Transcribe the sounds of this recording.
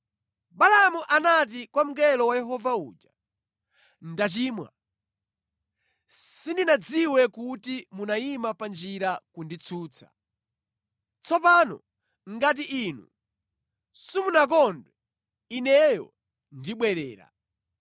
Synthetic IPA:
balamuʔanat̬ikwam̩kɛlɔwajɛɦɔvauːd͡ʒa | ndat͡ʃiːmwa̰ | sindinad͡ziwɛkutimunaimapand͡ʒiɾakundit͡sʰuːt͡sʰḁ̰ | t͡sɔp̬anɔ̰ | ŋɡat̬iʔiːnṵ | simunak̬ɔndwɛ | inɛjɔ̰ | ndiɓwɛɾɛːɾa̰

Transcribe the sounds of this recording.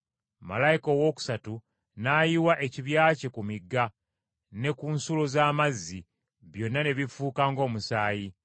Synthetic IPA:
ma̰lajiko̞wo̞ːku̥satu | naːjiwaʔe̞ciβjaːcekumiɡːa | ne̞kunsulozaːmazːi | βjo̞nːane̞βifuːkaːŋɡo̞ːmusaːji

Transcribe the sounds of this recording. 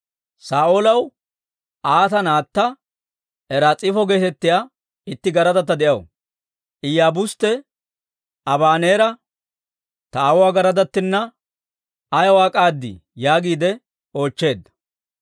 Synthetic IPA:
saːʔolɐw | ʔaːt̪ɐnaːt̪ːɐ | ɛɾaːt͡sʼɪfɔɡe̞ːt̪ɛt̪ːɪjaː | ɪt̪ːɪɡɐɾɐd̪ɐt̪ːɐd̪ɛʔɐw | ʔɪjaːbʊst̪ːɛ | ɐbaːneːɾɐ | t̪ɐawʊwaːɡɐɾɐd̪ɐt̪ːɪnːɐ | ɐjɐwaːkʼaːd̪ːɪ̰jaːɡiːd̪ɛ | o̞ːt͡ʃːe̞ːd̪ːɐ̥

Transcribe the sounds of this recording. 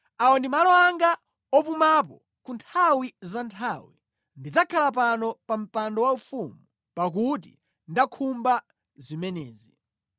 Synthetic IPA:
aɔndimalɔaŋɡa | ɔpumap̬ɔ | kuntʰawizantʰawi | ndid͡zakʰalap̬anɔpam̩pandɔwaufumu | pak̬ut̬ḭ | ndakʰumba | zimɛnɛːzi

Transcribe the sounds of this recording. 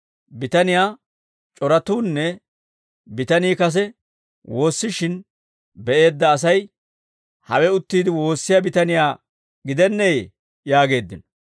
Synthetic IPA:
bɪt̪ɐnɪjaː | t͡ʃʼɔɾɐt̪uːnːɛ | bɪt̪ɐniːkɐs̬ɛ | wo̞ːsːɪʃɪn | bɛʔe̞ːd̪ːɐːs̬ɐj | hɐwɛʊt̪ːiːd̪ɪwo̞ːsːɪjabɪt̪ɐnɪjaː | ɡɪd̪ɛnːɛj | jaːɡe̞ːd̪ːɪnɔ

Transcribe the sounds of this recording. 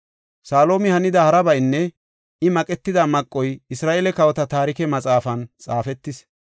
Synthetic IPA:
saːlo̞ːmɪhɐnɪd̪ɐhɐɾɐbɐjnːɛ | ɪmɐkʼɛt̪ːɪd̪ɐmɐkʼːɔjɪsɾaːʔeːlɛkɐwɔt̪ɐt̪aːɾɪkɛmɐt͡sʼaːfɐnt͡sʼaːfɛt̪ːɪs

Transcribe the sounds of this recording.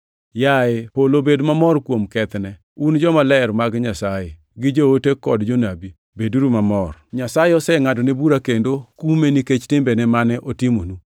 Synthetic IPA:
jaepolobedmamɔrkwomkɛt̪nɛ | und͡ʒɔmalɛɾmaɡɲasaje | ɡɪd͡ʒootekɔdd͡ʒonabi | beduɾumamɔrɲasajeɔsɛŋadonebuɾakendokumeniket͡ʃtɪmbɛnɛmanɛʔotimonu

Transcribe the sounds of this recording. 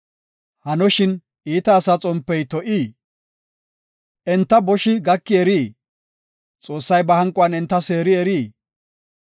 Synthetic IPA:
hɐnɔʃɪn | ʔiːt̪ɐːsat͡sʼɔmpːɛjt̪ɔʔiː | ʔɛnt̪ːɐbɔʃɪɡɐkːɪɛɾiː | t͡sʼo̞ːsːɐjbɐhɐŋkʼːʊɐnɛnt̪ːɐse̞ːɾɪɛɾiː

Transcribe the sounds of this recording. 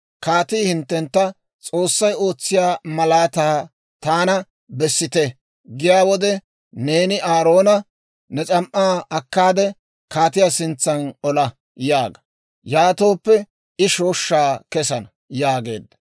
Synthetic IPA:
kaːt̪iːhɪnt̪ːɛnt̪ːɐ | t͡sʼo̞ːsːɐjo̞ːt͡sːɪjaːmɐlaːt̪aː | t̪aːnɐ | bɛsːɪt̪ɛ | ɡɪjaːwɔd̪ɛ | ne̞ːnɪʔaːɾo̞ːnɐ | nɛt͡sʼɐmʔaːɐkːaːd̪ɛ | kaːt̪ɪjasɪnt͡sːɐnɔlɐ | jaːɡɐ | jaːt̪o̞ːpːɛ | ɪʃoːʃːaːkɛsɐnɐ | jaːɡe̞̰ːd̪ːɐ̥

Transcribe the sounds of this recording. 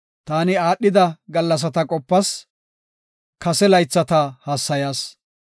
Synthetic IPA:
t̪aːnɪaːɗːɪd̪ɐɡɐlːɐs̬ɐt̪ɐkʼɔpːɐs | kɐsɛlɐjt͡sːɐt̪ɐhaːsːɐjaːs

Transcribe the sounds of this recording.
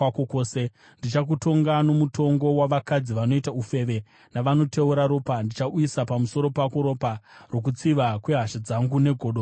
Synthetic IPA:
akokoːse | ndit͡ʃak̬uto̞ŋɡano̞muto̞ŋɡo̞waʋakad͡ziʋano̞itaufe̞ʋe̞ | naʋano̞te̞uɾaɾo̞ːpandit͡ʃaʔuisapamuso̞ɾo̞pakoɾo̞ːparo̞k̬ut͡siʋakwe̞ɦaʃed͡zaŋɡune̞ɡʱoɗo

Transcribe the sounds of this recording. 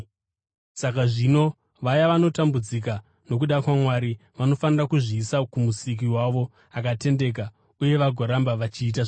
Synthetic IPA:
sakaʐino̞ | ʋajaʋano̞tambud͡zik̬a | no̞k̬uɗakwamwaɾi | ʋano̞fanirakuʐiːsakumusik̬iwaʋo̞ | akate̞nde̞k̬a | uje̞ʋaɡʱoɾambaʋat͡ʃiːt̬aʐ

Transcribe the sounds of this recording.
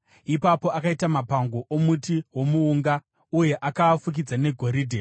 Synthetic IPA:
ipapo̞akaitamapaŋɡo̞ʔomutiɦwo̞muːŋɡa | uje̞ʔakaːfuk̬id͡zane̞ɡʱo̞ɾiːdʱe

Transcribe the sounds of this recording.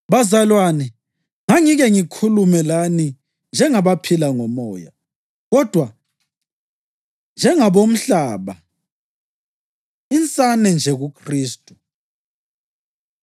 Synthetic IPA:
βazalwanɛ | ŋaŋiɣɛŋikʰulumɛlani | nd͡ʒʱɛŋaβapʰilaŋɔmɔːja̰ | ɣɔd̥ʱwa | nd͡ʒʱɛŋaβom̩ɬaːβa | int͡sʼanɛnd͡ʒʱɛɣukʰriːstʼu̥

